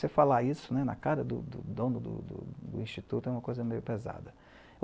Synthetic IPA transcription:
sefalaisʊnɛnɐ̰kaɾɐd̪ʊd̪ʊd̪õnʊd̪ʊ̰d̪ʊ̰d̪ʊ̰ĩʃt͡ʃit̪ut̪ʊɛũmɐkojzɐmejʊpeza̰d̪ɐ

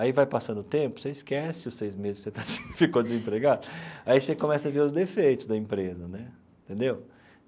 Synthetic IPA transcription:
aivajpasɐ̃nd̪ʊt̪ẽmpʊ̥seiskɛsɪʊssejzmezɪsset̪asĩfikod͡ʒ̪ɪzĩpɾeɡad̪ʊaisekõmɛsɐveʊzd̪efejt̪ʊzd̪ɐĩpɾezɐnɛẽt̪ẽnd̪ew

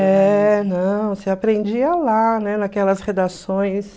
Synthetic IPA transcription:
ɛnɐ̃w̃seapɾẽnd͡ʒiɐlanɛnakɛlɐsʁed̪asõj̃s

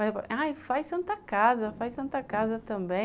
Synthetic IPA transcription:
mɐzɛpɐajfajsɐ̃nt̪ɐkazɐfajsɐ̃nt̪ɐkazɐt̪ɐ̃bẽ

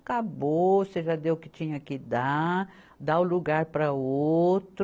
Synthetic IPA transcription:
kaboseʒad̪ewkɪt͡ʃĩɲɐkɪd̪a | d̪awluɡaɾpɾɐot̪ɾ

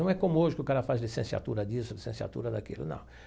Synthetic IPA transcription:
ɐ̃w̃ɛkõmʊoʒɪkɪʊkaɾɐfazlisẽsia̰t̪uɾɐd̪isʊlisẽsia̰t̪ṵɾɐd̪akilʊ̰nɐ̰̃w̃

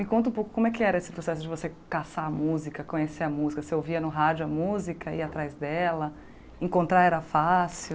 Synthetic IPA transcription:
mɪkõnt̪ʊũpowkʊ̥kõmʊɛkɪɛɾɐesɪ̥pɾosɛsʊd͡ʒɪvosekasaɐmuzikɐkõɲeseɐmuzikɐseowviɐnʊɦad͡ʒʊɐmuzikɐɪat̪ɾajzd̪ɛlɐ | ẽkõnt̪ɾaɛɾɐfasiw

